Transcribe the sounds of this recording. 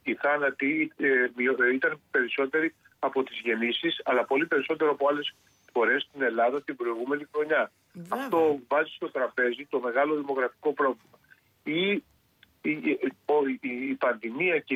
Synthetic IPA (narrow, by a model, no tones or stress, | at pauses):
iθɐnɐt̪imioit̪ɐnpe̞ɾiso̞t̪e̞ɾi | ɐpo̞t̪izʝe̞nisisɐlɐpo̞lipe̞ɾiso̞t̪e̞ɾoɐpo̞ɐle̞s | fo̞ɾe̞st̪ine̞lɐðɐt̪ibɾo̞iɣume̞nixɾo̞ɲɐː | ft̪o̞vɐzist̪o̞t̪ɾɐpe̞zit̪o̞me̞ɣɐlo̞ðimo̞ɣɾɐfiko̞pɾo̞vlimɐ | i | oːpɐnðimiɐ